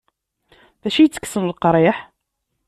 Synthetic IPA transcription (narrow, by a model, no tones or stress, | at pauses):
ðæʃijt͡sːə̥kːsənlqɾˤiħ